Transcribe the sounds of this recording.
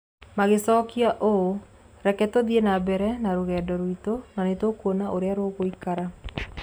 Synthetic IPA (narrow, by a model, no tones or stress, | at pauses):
maɣesɔːkiaʔo | ɾɛkɛtoðienabɛɾɛnaɾoɣɛːdɔɾwitonanetokwonaʔoɾeaɾwoɣoikaɾa